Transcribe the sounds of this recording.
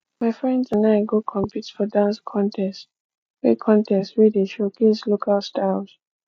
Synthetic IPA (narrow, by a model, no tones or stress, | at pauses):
maɪfɹɛ̃ndzãnaɪɡokʰɔ̃mpʰitfɔdãnskʰɔ̃ntʰɛst | wɛkʰɔ̃ntʰɛstɹedeʃoɡeslokʰalstalz̥